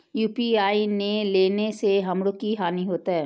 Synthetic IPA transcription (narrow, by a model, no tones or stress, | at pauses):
juːpiaːineleːneseɦɐmɽokiɦaːniɦoːt̪aɦɛː